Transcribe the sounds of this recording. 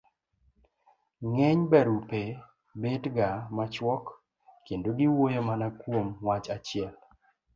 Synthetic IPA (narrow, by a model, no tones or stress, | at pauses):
ŋɛɲbɛɾupe | bedɡamat͡ʃwɔk | kendoɡɪwojomanakwomwat͡ʃat͡ʃɪɛl